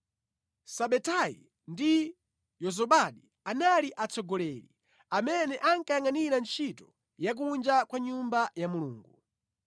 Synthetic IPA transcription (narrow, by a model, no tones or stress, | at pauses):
saɓɛtajḭ | ndi | jɔzɔɓaɗi | analiʔat͡sɔɡɔlɛːlḭ | amɛnɛʔaŋkajaŋaniɾant͡ʃʰitɔ | jak̬und͡ʒakwaɲumbajamuluːŋɡu